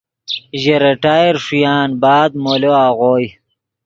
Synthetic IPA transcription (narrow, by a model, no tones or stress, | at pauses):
ʑeɾɐʈaːjeɾʂujaːnbaːd̪moloaːʁoːj